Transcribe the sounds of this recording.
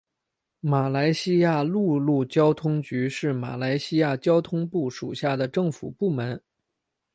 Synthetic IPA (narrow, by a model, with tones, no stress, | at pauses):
ma˨˩la˧˥ɪɕi˥ja˥˧lu˥˧lu˥˩t͡ɕjɑ˥ʊt̪ʰʊ˥ŋt͡ɕy˧˥ʂɻ̩˥˩ma̰˨˩la˧˥ɪɕi˥ja˥˩t͡ɕjɑ˥ʊt̪ʰʊ˥ŋpu˥˩ʂu˨˩ɕja˥˩d̪ə˩ʈ͡ʂɤ˥˩ŋfu˨˩pu˥˩mə˧˥n